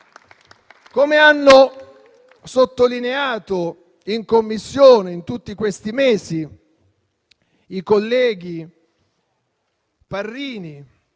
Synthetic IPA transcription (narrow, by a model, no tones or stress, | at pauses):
komeanːo | sot̪ːolineaːt̪o | iŋkomːisːjoːneint̪ut̪ːikwest̪imeːsi | ikolːɛːɡi | parːiːni